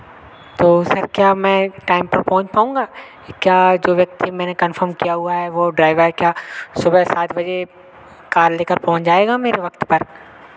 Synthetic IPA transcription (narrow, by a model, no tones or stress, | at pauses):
t̪oːsɐɾkjaːmɛ̃ʈaːɪmpɐɾpɐɦʊ̃ɲt͡ʃpaːũːŋɡaː | kjaːd͡ʒoːʋjɐk̚t̪imɛ̃ːnekɐnfʰəɾmkijaɦʊaɦɛʋoɖɾaːɪʋaɦɛkjaːsʊbəsaːt̪ʰbɐd͡ʒe | kaːɾleːkəɾpɐɦʊ̃t͡ʃd͡ʒaːeːɡaːmeːɾeʋɐkt̪pɐɾ